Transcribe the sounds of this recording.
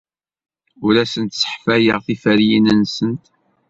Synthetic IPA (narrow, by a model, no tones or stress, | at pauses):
ʊɾæsənt̪sə̥ħfæjəʁθifəɾjinənsənt̪